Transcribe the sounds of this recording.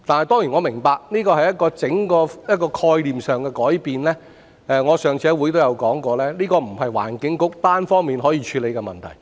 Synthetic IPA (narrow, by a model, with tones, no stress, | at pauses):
t̪aː˨nhɐ˨jt̪ɔː˥ŋji˨˩ŋɔː˨˧mɪ˨˩ŋpaː˧k̚niː˥kɔː˧hɐ˨jɐ˥t̚kɔː˧t͡sɪ˨˥ŋkɔː˧jɐ˥t̚kɔː˧kʰɔː˧jliː˨msœː˨ŋkɛː˧kɔː˨˥jpiː˨nlɛː˥ | ɛ˧ŋɔː˨˧sœː˨ŋt͡sʰɛː˨˧wu˨˥jt̪o˥wjɐ˨˧wkɔː˨˥ŋkɔː˧lɛː˥liː˥kɔː˧m̩˨˩ɦɐ˨jwa̰ː˨˩nkɪ˨˥ŋkʊ˨˥k̚t̪aː˥nfɔː˥ŋmiː˨˩nɦɔː˨˥jiː˨˧t͡ʃʰyː˨˧le˨˧jkɛ˧mɐ̰˨˩nt̪ʰɐ̰˨˩j